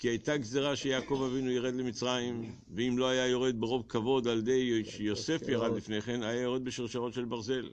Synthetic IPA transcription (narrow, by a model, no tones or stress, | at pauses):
kiajt̪aɡzeʁaʃejaːko̞vavinujiʁed̪lemit͡sʁajim | veimlo̞ajajo̞ʁe̞d̪̚beʁo̞vkavo̞d̪ald̪ejʃjo̞se̞fjaʁad̪lifneχenajajoʁed̪̚beʃiʁʃaʁo̞t̪ʃe̞lbaʁze̞l